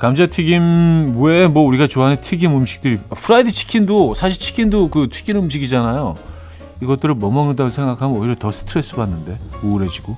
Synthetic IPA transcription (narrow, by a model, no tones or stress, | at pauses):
kamd͡ʑatʰiɡimwemwʌuɾiɡat͡ɕoɦanetʰiɡimɯmɕʰi̥k̚t͈ɯɾipʰɯɾaidɯt͡ɕʰi̥kʰindosʰaɕʰiɭt͡ɕʰi̥kʰindokɯtʰɥi̥ɡinɯmɕ̬ʰiɡid͡ʑanajo | iɡʌt͈ɯɾɯɭmʌmʌŋɯndaɡonsʰe̞ŋɡakʰamɯnʌiɾjʌtʌsʰɯ̥tʰɯɾe̞s͈ɯbanːɯnde̞oːɾe̞d͡ʑiɡo